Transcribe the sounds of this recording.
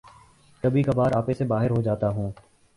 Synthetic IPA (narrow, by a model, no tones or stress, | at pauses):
kəbʱiːkabaːɾaːpesebaːɦɪɾɦod͡ʒaːt̪aɦũː